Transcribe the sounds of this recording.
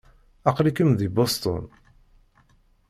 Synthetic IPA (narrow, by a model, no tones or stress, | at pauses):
ɑqɾikəmðibost̪ˤɔ̰n